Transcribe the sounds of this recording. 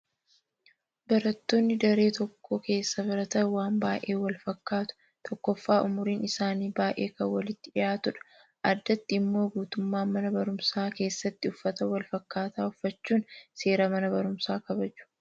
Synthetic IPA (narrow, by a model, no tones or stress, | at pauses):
bɐɾɐt̪ːo̞ːnːɪd̪ɐɾe̞ːt̪ɔkʰːoːke̞ːsːɐbɐɾɐt̪ɐwaːnbaːʔe̞ːwɐlfɐkːaːt̪ʊ̥ | t̪ʰɔkːɔfːaːʔʊmʊɾiːnɪsaːniːbaːʔe̞̰ːkɐwɐlɪt̪ːɪᶑɪʔaːt̪ʊᶑɐ̥ | ʔɐd̪ːɐt̪ːɪɪmːo̞ːɡuːt̪ʊmːaːmɐnɐbɐɾʊmsaːke̞ːsːɐt̪ːɪʊfːɐt̪ɐwɐlfɐkːaːt̪aːʊfːɐt͡ʃːuːnse̞ːɾɐmɐnɐbɐɾʊmsaːkɐbɐd͡ʒʊ̥